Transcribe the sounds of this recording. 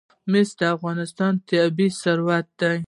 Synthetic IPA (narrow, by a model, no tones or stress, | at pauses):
mɪsd̪əafɣɑnɪst̪ɑnt̪abisaɾwat̪̚d̪aj